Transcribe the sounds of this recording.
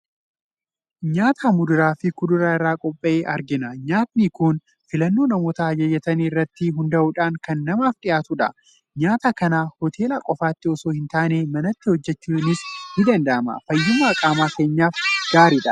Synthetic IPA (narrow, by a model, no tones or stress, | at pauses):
ɲaːt̪ʰaːmʊd̪ʊɾaːfɪkʊd̪ʊɾaːɪrːaːkʼɔpʼːɐʔeːʔɐɾɡɪnɐɲaːt̪niːkʊn | fɪlɐnːo̞ːnɐmoːt̪ɐɐd͡ʒɐjːɐt̪ɐniɪrːɐt̪ːɪɦʊnd̪ɐʔʊːᶑaːŋkɐnːɐmaːfᶑɪjaːt̪ʊᶑɐ̰ | ɲaːt̪akɐnaːhɔt̪ʰe̞ːlɐkʼɔfaːt̪ːɪɔsoːhɪnt̪aːneːmɐnɐt̪ːɪhɔd͡ʒːɛt͡ʃːuːnɪshɪd̪ɐnd̪ɐʔɐmɐ̰fɐjːʊmɐːkʼaːmaːke̞ːɲːaːfɡ̥aːɾɪᶑɐ